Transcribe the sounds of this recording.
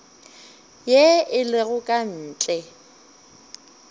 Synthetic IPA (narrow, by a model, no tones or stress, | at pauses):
jeɪlɪɣʊkʼan̩ːt͡ɬʼɛ